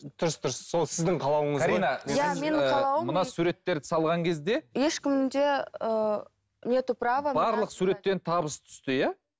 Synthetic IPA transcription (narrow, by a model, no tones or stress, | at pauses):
d̪̥ʊɾəsd̪ʊɾəsːolˠsɪzd̪ɪɴqʰɑlˠɑwəɴəzaɾinɑjamenʰɑlˠɑwəmənɑsuɾe̞t̪ːe̞ɾd̪ɪ̥sɑlˠʁɑŋkʲʰe̞zd̪e̞jeʃkʲɪmd̪e̞ə | nʲet̪upravəbɑɾlˠəqsuɾe̞t̪ːe̞nt̪ʰɑbəst̪ʰʏ̥st̪ɪjæ